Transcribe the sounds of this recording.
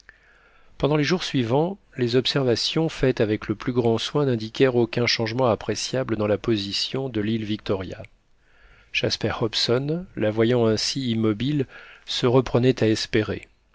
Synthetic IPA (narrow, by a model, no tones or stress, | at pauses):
pɑ̃d̪ɑ̃leʒuʁsɥivɑ̃ | lezɔpsɛʁvasjɔ̃fɛt̪avɛkləplyɡʁɑ̃swɛ̃nɛ̃d̪ikʲɛʁokʲɛ̃ʃɑ̃ʒmɑ̃apχesjabləd̪ɑ̃lapozisjɔ̃d̪əlilvik̚t̪ɔʁja̰ | ʃaspɛʁɔpsɔnlavwajɑ̃ɛ̃siːmːɔbilsəʁəpχənɛt̪aɛspeʁḛ